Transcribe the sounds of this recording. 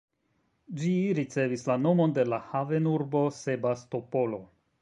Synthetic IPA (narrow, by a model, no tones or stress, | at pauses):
d͡ʒiɾit͡se̞vislano̞mo̞nde̞lahave̞nuɾbo̞se̞basto̞po̞lo̞